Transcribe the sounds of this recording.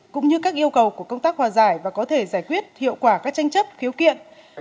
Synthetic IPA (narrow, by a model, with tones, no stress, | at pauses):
kʊ̰˧˥ŋ͡mɲɨ˧kaː˦˥k̚ʔi˧əwkə˨˩wku˧˩əkə˧wŋ͡mt̪aː˦˥k̚hwaː˨˩zaː˧˩jvaː˨˩kɔ˨˦t̪ʰe˧˩zaː˧˩jkwi˦˥ət̚hḭ˧˨əwkwaː˧˩kaː˦˥k̚t͡ɕa˧ŋ̟t͡ɕə˦˥p̚xi˨˦wkḭ˧˨ən